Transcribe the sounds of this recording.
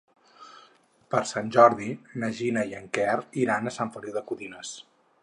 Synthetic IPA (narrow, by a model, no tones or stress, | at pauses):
pəɾsanʲʒɔɾðinəʒinəiəŋkɛriɾanəsaɱfəliwðəkuðinəs